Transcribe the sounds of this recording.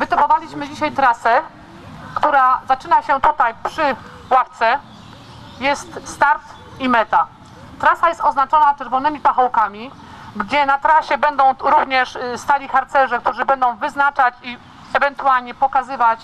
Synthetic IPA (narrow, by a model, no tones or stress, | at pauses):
vɘt̪ɔpɔvalʲiɕmɘd͡ʑiɕajt̪ɾasɛ | kt̪uɾazat͡ʂɘnaɕɛt̪ut̪ajpʂɘ | waft̪sɛ | jɛst̪st̪aɾt̪ | imɛt̪a | t̪ɾasajɛst̪ɔznat͡ʂɔnat͡ʂɛɾvɔnɘmʲipaxɔwkamʲi | ɡd͡ʑɛnat̪ɾaɕɛbɛnd̪ɔ̃w̃ɾuvɲɛʂst̪alʲixaɾt̪sɛʐɛk̚t̪uʐɘbɛnd̪ɔ̃w̃vɘznat͡ʂat͡ɕi | ɛvɛnt̪ualɲɛpɔkazɘvat͡ɕ